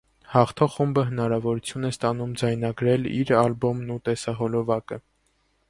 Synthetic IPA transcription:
hɑχt̪ʰɔχumbəɦən̪ɑɾɑvɔɾut͡sʰjunɛst̪ɑn̪umd͡zɑjnɑɡɾɛlḭɾɑlbɔmnut̪ɛsɑɦɔlɔvɑkə

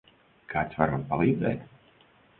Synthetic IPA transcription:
kʰaːt̪svaɾopalˠiːd̪zɛːt̪

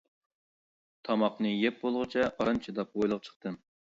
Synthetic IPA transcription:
t̪ʰɑmɑqnɨjɛp̚bolˠʁɨt͡ʃʰɛɑɾɨnt͡ʃʰid̪ɑp̚ojlˠəq̚t͡ʃʰə̥χt̪ʰɨm

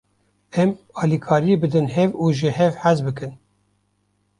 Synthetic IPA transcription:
ɛmɑːlikʰɑːɾiebɨd̪ɨnhɛvuːʒɨhɛvħæzbɨkɨn

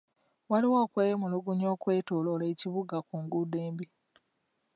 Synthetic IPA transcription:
waliwoːkweːmuluɡuɲo̞ːkwe̞ːtoːloleːciβuɡakuŋɡudeːmbi

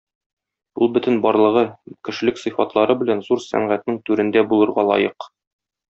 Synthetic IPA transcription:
ulˠbɵ̆t̪ɘ̆nbɒɾlˠɤ̆ʁɤkɘ̆ʃɘ̆lɘksɤ̆fɑt̪lˠɑɾɤbɘ̆lænzuɾsæ̰ɴʁæt̪nɘŋt̪ʉɾɘ̆nd̪æbulˠɤ̆ɾʁɑlˠɒ̰jɤq

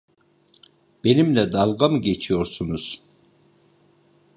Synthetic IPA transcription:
b̥enimlɛd̪ɑlˠɡɑmɡet͡ʃʰijoɾsunuz̥

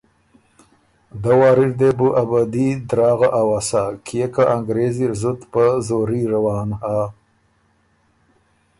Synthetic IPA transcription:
d̪awɑːɾiɾd̪ebuʔabad̪id̪ɾɑːɣaʔawasakʰijekaʔaŋɡɾeziɾzut̪pəzoɾiɾawɑːnha

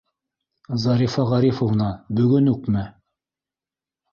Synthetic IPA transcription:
zɑɾifɑʁɑɾifŏvnɑbɵ̆ɡɵnʉkmɘ

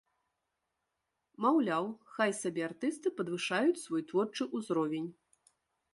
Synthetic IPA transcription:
mawlʲawxajsabʲɛart̪ɨst̪ɨpɐd̪vɨʂajut͡sʲsvɔjt̪vɔrt͡ʂɨʔuzɾɔvʲenʲ

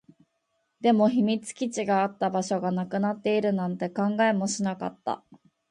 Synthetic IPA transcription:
d̪e̞mo̞çimʲit͡sɨ̥kʲit͡ɕiɡaːt̪ːabaɕo̞ɡanakɯ̟nat̪ːe̞iɾɯ̟nãnt̪e̞kãŋɡae̞mo̞ɕinaka̰t̪ːa̰

